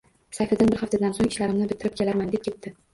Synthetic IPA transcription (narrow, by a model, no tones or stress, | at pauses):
safad̪anbɪɾhaft̪ad̪ansoŋɪʃlaɾɪmnɪbɪt̪ʰːɪɾɪpkʲʰe̞laɾmand̪ep̚kʲʰe̞t̪̚t̪ɪ